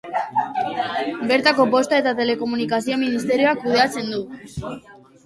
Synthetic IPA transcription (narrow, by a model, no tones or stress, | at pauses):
be̞ɾt̪ako̞po̞st̪ae̞t̪at̪e̞le̞ko̞munikasio̞minist̪e̞ɾio̞akuð̞e̞at͡se̞nd̪u